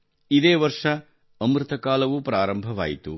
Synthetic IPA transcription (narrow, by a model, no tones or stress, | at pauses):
id̪eːʋɐɾʂɐ | ɐmɾɪt̪ɐkaːlɐʋupɾaːɾɐmbʱɐʋa̰ːjit̪ṵ